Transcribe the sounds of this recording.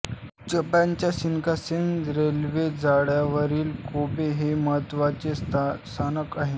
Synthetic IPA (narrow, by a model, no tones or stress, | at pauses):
d͡ʑəpãɲt͡ɕjasinkasenɾelʋed͡zaɽjaʋəɾiːlkobeɦeməɦət̪ʋat͡ɕesst̪ʰanəkaɦe